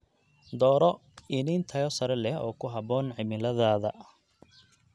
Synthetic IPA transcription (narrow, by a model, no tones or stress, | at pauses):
d̪ɔːɾɔɪniːnt̪ʰɐjɔsɐɾɛlɛɦɔːkʰʊɦɐbɔːnʕɪmɪlɐðaːðɐ